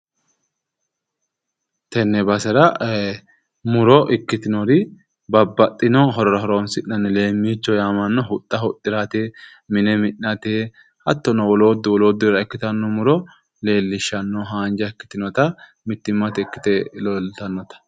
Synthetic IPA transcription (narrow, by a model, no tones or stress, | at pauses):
t̪ɛnːɛbɐsɛɾɐ | mʊɾɔʔɪkːɪt̪ɪnɔɾɪ | bɐbːɐt̪ʼːɪnɔɦɔɾɔɾɐɦɔɾoːnsɪnːɐnːɛle̞ːmːiːt͡ʃːɔjaːmɐnːɔɦʊt̪ʼːɐɦʊt̪ʼːɪɾat̪e | mɪnɛmɪnːɐt̪e | hɐt̪ːɔnɔwɔlo̞ːd̪ːɪwɔloːd̪ːɪɾɐɪkːɪt̪ɐnːɔmʊɾɔ | le̞ːlːɪʃːɐnːɔɦaːnd͡ʒɐɪkːɪ̥t̪ɪnɔt̪ɐ | mɪt̪ːɪmːɐt̪ɪkːɪ̥t̪ɛlɔlt̪ɐnːɔt̪ɐ̥